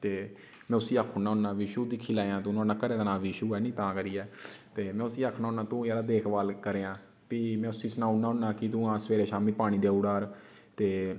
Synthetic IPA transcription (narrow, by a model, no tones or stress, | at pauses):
t̪eː | mɛ̃ːʊsiːaːkʰʊnãːʊnːãːʋɪʃuːd̪ɪkʰːiːlaːjãːt̪ːnãːnãːkəɾeːd̪aːnãːʋiʃuːɛːnĩːt̪ãːkəɾiːɛːt̪eːmɛ̃ːʊsiːaːkʰnaːʊnãːt̪ũːɛːɽaːd̪eːkʰʋaːlkəɾeːãː | piːmɛ̃ːʊsĩːsənaːʊnãːʊnaːkɪt̪ũːãːsʋeːɾeːʃaːmiːpaːɽ̃ĩːd̪eːuːɽaːɾ | t̪eː